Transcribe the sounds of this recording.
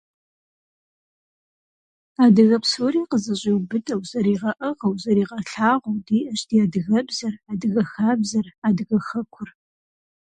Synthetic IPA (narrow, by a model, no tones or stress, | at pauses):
aːdɨɣɐpsoːɾiːqəzɐɕʼiwbɨtʰʼɐwzɐɾiːʁɐʔɐʁɐwzɐɾiːʁɐɬaːʁʷʊwdiːʔɐɕdiaːdɨɣɐbzɐraːdɨɣɐxaːbzɐraːdɨɣɐxɐkʷʰʊr